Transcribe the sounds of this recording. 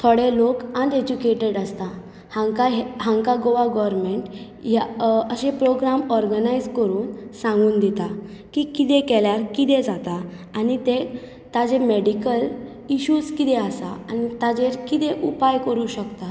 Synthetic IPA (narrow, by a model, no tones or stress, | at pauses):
t̪ʰɔɽelokəɳɖed͡ʑukeʈeɽəst̪a | haŋkaɦɦãŋkaɡoʋaɡɔʋəɾmeɳʈ | jaəɕepɾoɡɾamɔɾɡənajd͡zkəɾuːnsãŋɡuːnd̪it̪a | kikit̪ẽkɛljaɾkit̪ɛd͡zat̪a | anit̪e | t̪ad͡zemeɽikəl | iɕuːd͡zkit̪ɛəsaanit̪ad͡zeɾkit̪eʔupajkəɾuɕəkt̪a